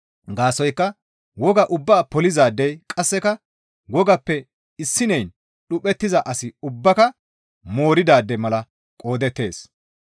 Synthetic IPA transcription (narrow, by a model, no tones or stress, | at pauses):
ɡaːsɔjkːɐ | wɔɡɐʔʊbːaːpɔlɪzaːd̪ːɛjkʼɐsːɛkɐ | wɔɡɐpːɛ | ɪsːɪnɛjn | ɗʊpʼɛt̪ːɪzɐʔɐsɪʊbːɐkɐ | mo̞ːɾɪd̪aːd̪ːɛmɐlɐ | kʼo̞ːd̪ɛt̪ːe̞ːs